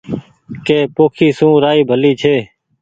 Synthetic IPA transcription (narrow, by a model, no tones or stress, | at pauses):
keːpoːkʰiːsũːɾaːiːbʱəliːt͡ʃʰeː